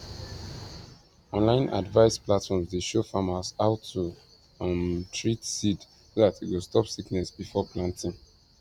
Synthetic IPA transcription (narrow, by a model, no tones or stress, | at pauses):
ɔ̃nlãɪ̃nʔa̰dvaɪsplatfɔmsdeʃofamasaʊtʰːu | ãmtʰɹitsid | soðatitwostɔpsiknɛsbifɔpʰlãntĩŋ